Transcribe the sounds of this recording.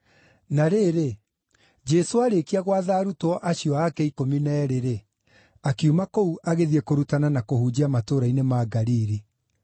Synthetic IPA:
naɾeːɾe | d͡ʑɛsoaɾekiaɣwaðaːɾutɔʔaɕiɔakɛikominɛːɾeɾe | akiumakouʔaɣeðiɛkoɾutananakohuːd͡ʑiamatoːɾainemaɡaɾiːɾi

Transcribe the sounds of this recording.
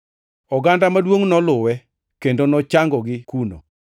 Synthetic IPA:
ɔɡandamadwoŋnɔlʊwɛ | kendonɔt͡ʃaŋɡɔɡɪkuno̰

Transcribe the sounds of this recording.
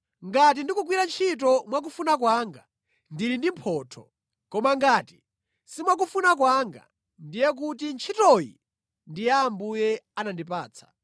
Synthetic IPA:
ŋɡat̬indikuk̬wiɾant͡ʃʰit̬ɔmwak̬ufunak̬waːŋɡa | ndiɾindim̩pʰɔːtʰɔ̰ | kɔmaŋɡaːti̥ | simwak̬ufunak̬waŋɡa̰ | ndijɛk̬utint͡ʃʰitɔjḭ | ndijaːmbujɛanandipaːt͡sʰḁ̰

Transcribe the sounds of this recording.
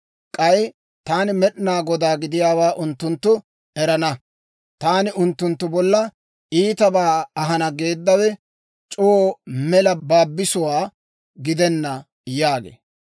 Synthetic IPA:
kʼɐj | t̪aːnɪmɛɗnaːɡɔd̪aːɡɪd̪ɪjaːwaːʔʊnt̪ːʊnt̪ːʊ | ɛɾɐnɐ | t̪aːnɪʊnt̪ːʊnt̪ːʊbɔlːɐ | iːt̪ɐbaːɐɦɐnɐɡe̞ːd̪ːɐwɛ | t͡ʃʼooːmɛlɐbaːbːɪsʊwaː | ɡɪd̪ɛnːɐ | jaːɡḛː

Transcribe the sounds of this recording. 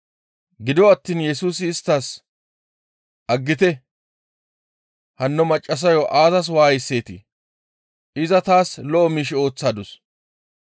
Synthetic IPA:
ɡɪd̪ɔɐt̪ːiːnjɛsuːsɪːst̪ːas | ʔɐɡːɪt̪ɛ | hɐnːɔmɐt͡ʃʼːɐs̬ɐjɔʔaːzɐs̬waːɪsːe̞ːt̪ɪ̰ | ʔɪzɐt̪aːslɔʔɔmiːʃɪo̞ːt͡sːaːd̪ʊs

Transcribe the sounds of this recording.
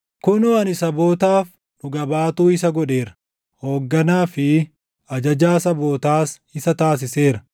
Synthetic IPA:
kʊnʊɐnɪsɐbo̞ːt̪aːf | nʊɡɐbaːt̪uːɪsɐɡɔᶑe̞ːɾɐ̥ | hoːɡːɐnaːfɪ | ɐd͡ʒɐd͡ʒaːsɐbo̞ːt̪aːs | ɪsɐt̪aːs̬ɪse̞ːɾɐ̥

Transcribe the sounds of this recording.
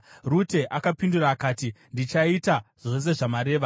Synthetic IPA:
rute̞ʔakapinduraːkaːtindit͡ʃaitaʐ̥o̞s̬e̞ʐamaɾe̞ːʋa

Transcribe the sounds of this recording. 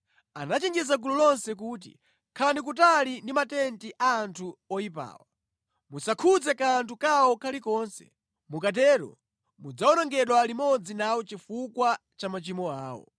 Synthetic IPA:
anat͡ʃiŋɡizaɡululɔnsɛk̬uːt̬ḭ | kʰanik̬utalindimatɛntiʔaːntʰuɔipa̰ːwa | musakʰud͡zɛkantukawɔkʰalikɔːnsɛ̰ | mukat̬ɛːɾɔ̰ | mud͡zaɔnɔŋɡɛɗwalimɔd͡zinawɔt͡ʃifukwat͡ʃamat͡ʃimɔaːwɔ̰

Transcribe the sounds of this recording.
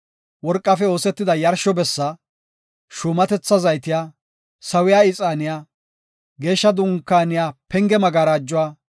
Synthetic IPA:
wɔɾkʼːɐfɛo̞ːsɛt̪ːɪd̪ɐjɐɾʃɔbɛsːɐ | ʃʊːmɐt̪ɛt͡sːɐzɐjt̪ɪjaː | sɐwɪjaːɪt͡sʼaːnɪjaː | ɡe̞ːʃːɐd̪ʊŋkːaːnɪjaːpɛŋɡɛmɐɡaːɾaːd͡ʒːʊwaː

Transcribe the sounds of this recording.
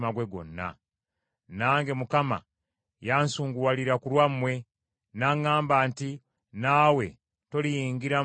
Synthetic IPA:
maɡwe̞ɡo̞̰nːa̰ | naːŋɡe̞mukama̰ | jaːnsuːŋɡuwaliɾakulwamːwe̞ | naːŋaːmbaːnti | naːwe̞ | to̞lijiːŋɡiɾa

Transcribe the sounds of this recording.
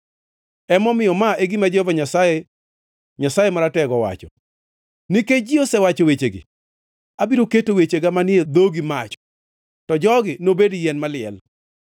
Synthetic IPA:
ɛmɔmɪjɔmaʔeɡɪmad͡ʒehovaɲasaje | ɲasajemaɾatɛɡɔwa̰t͡ʃɔ | niked͡ʒiosɛwat͡ʃowet͡ʃeɡɪ̰ | abiɾoketowet͡ʃeɡamanɪed̪oɡimat͡ʃɔ̥ | tɔd͡ʒɔɡɪnobedijɛnmalɪɛl

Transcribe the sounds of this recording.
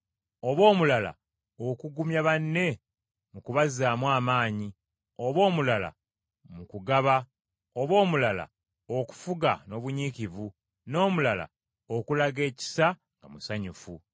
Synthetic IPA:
o̞βo̞ːmulala̰ | okuɡumjaβanːe̞ | mukuβazaːmwaːmaːɲi | oβo̞ːmulala̰ | mukuɡaβa | o̞βo̞ːmulala̰ | oku̥fuɡa̰no̞βuɲiːcivu | no̞ːmulala̰ | okulaɡe̞ːci̥sa | ŋɡamusaɲufu

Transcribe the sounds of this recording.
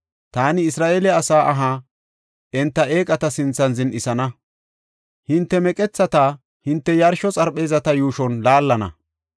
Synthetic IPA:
t̪aːnɪɪsɾaːʔeːlɛɐsaːʔɐɦaː | ʔɛnt̪ːɐʔeːkʼɐt̪ɐsɪnt͡sːɐnzɪnʔɪsɐnɐ | hɪnt̪ːɛmɛkʼɛt͡sːɐt̪aː | hɪnt̪ːɛjɐɾʃɔt͡sʼɐɾpʼːe̞ːzɐt̪ɐjuːʃɔnlaːlːɐnɐ̰

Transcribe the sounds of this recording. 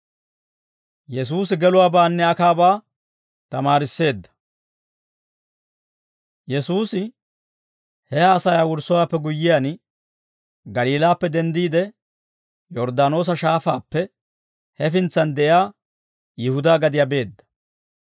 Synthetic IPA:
jɛs̬uːs̬ɪɡɛlʊwaːbaːnːɛɐkaːbaː | t̪ɐmaːɾɪsːe̞ːd̪ːɐ̥ | jɛsuːsɪ | hɛaːsɐjaːwʊɾsɔwaːpːɛɡʊjːɪjan | ɡɐliːlaːpːɛd̪ɛnd̪iːd̪ɛ | jɔɾd̪aːno̞ːs̬ɐʃaːfaːpːɛ | hɛfɪnt͡sːɐnd̪ɛʔjaː | jɪhʊd̪aːɡɐd̪ɪjaːbe̞ːd̪ːɐ̥

